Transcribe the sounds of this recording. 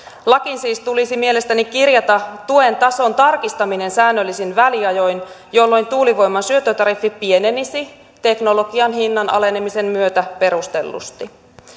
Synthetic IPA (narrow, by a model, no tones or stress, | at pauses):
lɑkinsiːst̪ulisimie̞le̞st̪ænikirjɑt̪ɑt̪ue̞nt̪ɑso̞nt̪ɑrkist̪ɑmine̞nsæːnːølːisinʋæliɑjo̞jn | jolːo̞jnt̪uːliʋo̞jmːɑnsyøt̪ːˑøt̪ɑɾifːipie̞nenisi | t̪e̞kno̞lo̞ɡiɑnɦinːɑnɑ̰lene̞mise̞mːyøt̪æpe̞ɾust̪e̞lːṵst̪i